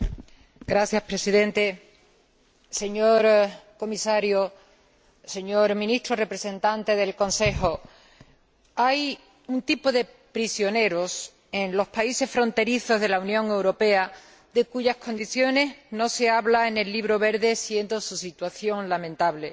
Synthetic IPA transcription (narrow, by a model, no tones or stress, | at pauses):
ɡɾaθjaspɾe̞siðẽ̞nt̪e̞ | se̞ɲo̞ɾko̞misaɾjo | se̞ɲo̞ɾmĩnist̪ɾore̞pɾe̞se̞nt̪ant̪e̞ðe̞lkõ̞nse̞xo̞ | aj | unt̪ipo̞ðe̞ | pɾisjo̞ne̞ɾo̞s | e̞nlo̞spaise̞sfɾo̞nt̪e̞ɾiθo̞zðe̞launjõ̞ŋe̞wɾo̞pe̞a | d̪e̞kuʝahkõ̞nd̪iθjo̞ne̞ɦno̞se̞aβlaene̞lːiβ̞ɾo̞βe̞ɾðe̞sje̞nd̪o̞susit̪waθjo̞ŋlamẽnt̪aβle̞